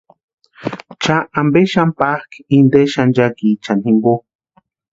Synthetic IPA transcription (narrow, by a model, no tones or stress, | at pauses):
t͡ʃaambeʃampahkind̪eʃand͡ʒakit͡ʃanhimbo